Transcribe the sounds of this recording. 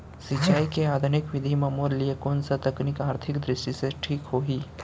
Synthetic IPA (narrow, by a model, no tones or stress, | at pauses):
sit͡ʃaːikeaːd̪ʱʊnɪkʋɪd̪ʱimɐmoːɾliekɔːnsat̪ɐknikaːɾt̪ʰɪkd̪ɾɪʃʈiseʈʰiːkɦoːɦiː